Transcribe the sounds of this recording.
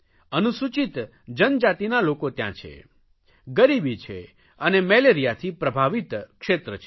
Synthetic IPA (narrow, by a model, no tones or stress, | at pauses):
ənusut͡ʃit̪ | d͡ʒənd͡ʒat̪inalokot̪jã̰t͡ʃʰḛ | ɡəɾibit͡ʃʰḛ | ənemɛleɾijat̪ʰipɾəbʱaʋit̪kʃet̪ɾət͡ʃʰe